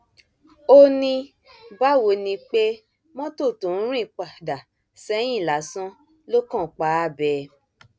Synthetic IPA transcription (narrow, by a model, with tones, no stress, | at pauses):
o˦nĩ˧ | ba˦˨wo˧nĩ˧k͡pe˦ | mɔ̃˦to˦˨to˨n̩˦ɾ̃ĩ˦˧˨k͡pa˨da˨ | sɛ˦j̃ĩ˦˨la˨˦sɔ̃˦ | lo˦kɔ̃˦˨k͡pa˨˦a˦˨bɛ˧˨